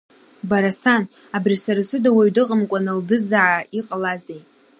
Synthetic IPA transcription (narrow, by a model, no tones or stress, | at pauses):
baɾasan | abrisaɾasɨdawaɥdɨqʼəmkʷʼanɨldɨzaʕaiqʼalazejtʼ